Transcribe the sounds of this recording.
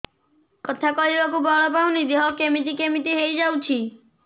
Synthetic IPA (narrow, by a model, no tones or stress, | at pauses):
kɔt̪ʰakɔlibakubʱɔɭɔpawnid̪eɦɔkemit̪ikemit̪iɦejd͡ʒawt͡ʃʰi